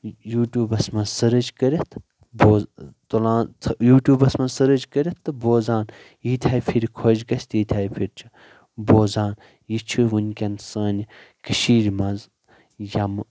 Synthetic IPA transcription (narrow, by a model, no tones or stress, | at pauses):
juːʈʲjuːbɐsmɐ̃sɐɾɨd͡ʒkəɾʲɐt̪ʰ | boːt̪olãːt̪ʰjuːʈʲjuːbɐsmɐ̃sɨɾɐd͡ʒkəɾʲɐt̪ːɨboːzaːn | iːt̪ʲʰaːjpʰiɾʲkʰod͡ʒɡɐsʲt̪iːt̪ʲʰaːjpʰiɾʲt͡ʃʰɨ | boːzaːn | jit͡ʃʰuʋunʲkʲɐnsɐːnʲikəʃiːɾmɐz | jɐm